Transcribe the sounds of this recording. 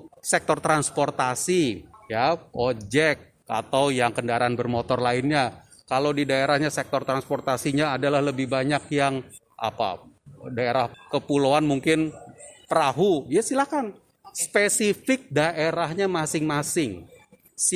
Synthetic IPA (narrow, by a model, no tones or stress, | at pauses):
sɛk̚t̪ɔrt̪ɾansport̪asijapod͡ʒɛkt | a̰t̪awjaŋkəndaɾaːnbərmot̪ɔrlaɪnɲa | kalawdidaeɾahɲasɛk̚t̪ɔrt̪ɾanspɔrt̪asiɲaːdalahləbɪhbaɲakjaŋ | ʔa̰pa̰daeɾahkəpuloanmuŋkɪnpəɾaɦujasilahkan | spesifɪk̚daʔeɾahɲamasɪŋmasɪŋ | s